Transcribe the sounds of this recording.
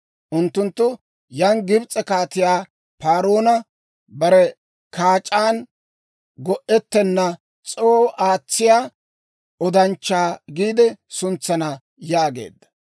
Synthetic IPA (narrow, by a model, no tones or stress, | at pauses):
ʔʊnt̪ːʊnt̪ːʊ | jɐŋɡɪbt͡sʼːɛkaːt̪ɪjaː | paːɾoːnɐ | bɐɾɛ | kaːt͡ʃʼːaːn | ɡɔʔɛt̪ːɛnːɐ | t͡sʼoːʔaːt͡sːɪjaː | ɔd̪ɐnt͡ʃːaːɡiːd̪ɛsʊnt͡sːɐnɐ | jaːɡḛːd̪ːɐ̥